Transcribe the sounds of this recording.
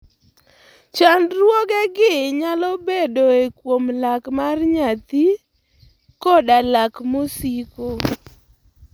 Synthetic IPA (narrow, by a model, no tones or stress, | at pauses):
t͡ʃanrwɔɡɛɡɪɲalɔbedoekwomlakmarɲat̪i | kɔdalakmosiko